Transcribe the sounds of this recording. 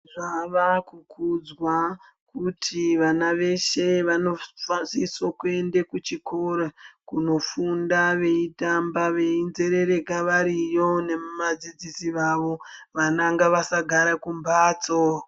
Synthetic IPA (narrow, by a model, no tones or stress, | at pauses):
ʐaʋakukud͡zwa | kutʰiʋanaʋe̞ʃe̞ʋano̞fasisokue̞ndekut͡ʃiko̞ɾakuno̞fundaʋe̞itambaʋe̞inze̞ɾe̞ɾe̞kaʋaɾijo̞ne̞mumad͡zid͡zisiʋaʋo̞ʋanaŋɡaʋasaɡʱaɾakumbaːt͡so